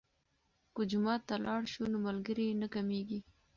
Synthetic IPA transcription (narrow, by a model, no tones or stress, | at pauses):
kəd͡ʒʊmɑt̪ːalɑɽʃunomalɡəɾinakameɡi